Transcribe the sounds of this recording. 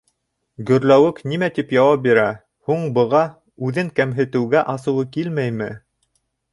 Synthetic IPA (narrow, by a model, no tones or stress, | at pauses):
ɡɵ̆ɾlæwɘknimæt̪ipjɑwɑp̚biɾæ | huɴbɤ̆ʁɑ | ʉðɘŋkæmɦɘ̆t̪ɘ̆wɡæʔɑsɤ̆wɤkilmæjmɘ